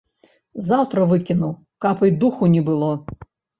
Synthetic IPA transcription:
zawt̪ɾɐʋɪkʲɪnʊw | kapɨjd̪uxʊnʲɛbɨlˠɔ

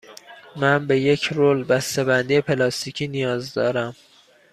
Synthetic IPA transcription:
mænbe̞je̞cʰɾoːlbæst̪e̞bænd̪ijepʰelɒːst̪icʰiːnijɒːzd̪ɒ̰ːɾæm

